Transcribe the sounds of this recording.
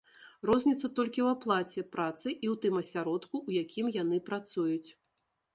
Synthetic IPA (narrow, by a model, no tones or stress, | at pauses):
rɔzʲnʲit̪sːɐt̪ɔlʲkʲiwaplˠat͡sʲɛpɾat̪sɨʔiwt̪ɨmɐsʲaɾɔt̪kujakʲʰimjanɨpɾat̪sujut͡sʲ